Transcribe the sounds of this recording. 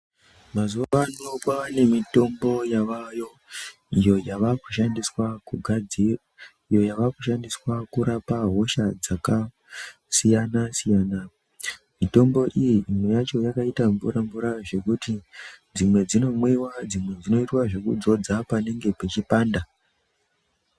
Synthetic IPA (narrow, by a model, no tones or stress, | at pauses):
mazuʋaʋanokwaʋane̞mito̞mbo̞jaʋajo̞ | ijo̞jaʋaku̥ʃandiswakuɡʱad͡zira | ijo̞jaʋakuʃandiswakuɾapaɦo̞ʃad͡zaka | sijanasijaːna | mito̞mbo̞ʔijiʔːmejat͡ʃo̞jakaitaɱvṵɾaɱvuɾaʐe̞kutid͡zimwe̞d͡zino̞mwewad͡zimwe̞d͡zino̞itwaʐe̞kṵd͡zo̞d͡zapane̞ŋɡe̞pet͡ʃipaːnda